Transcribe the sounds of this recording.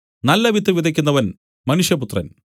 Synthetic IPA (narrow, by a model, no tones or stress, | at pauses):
nɐlːɐʋit̪ːɨʋid̪ʱɐkʲːunːɐʋɐn | mɐnuʂjɐput̪rɐ̰n